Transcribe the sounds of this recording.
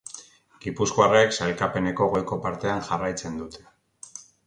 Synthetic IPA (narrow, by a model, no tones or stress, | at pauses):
ɡ̥ipuskoareksalkape̞ne̞ko̞ɣojko̞paɾt̪e̞anʝarajt͡se̞nd̪ut̪ʰe̞̥